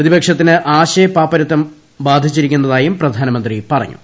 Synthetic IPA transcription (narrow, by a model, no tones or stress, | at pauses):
rɐðibɐkʂɐt̪ːinɨʔaːɕejpːaːpːɐɾɐt̪ːɐm | baːd̪ʱit͡ɕːiɾikʲːunːɐðaːjumprɐd̪ʱaːnɐmɐnd̪ripɐrɐ̰ɲːṵ